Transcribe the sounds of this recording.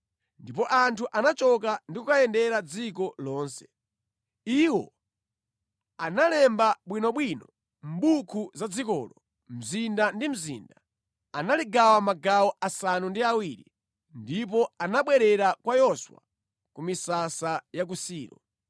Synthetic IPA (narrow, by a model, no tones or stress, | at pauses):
ndipɔʔantʰuʔanat͡ʃɔk̬andikukajɛndɛɾad͡zik̬ɔlɔːnsɛ̥ | iwɔ | analɛmbaɓwinɔɓwinɔ | m̩ɓukʰuzad͡zikɔ̰ːlɔ | m̩zindandim̩zḭnda | analiɡawamaɡawɔʔasanundiawiɾḭ | ndip̬ɔanaɓwɛɾɛɾakwajɔswa̰ | kumisasajak̬usiːɾɔ̰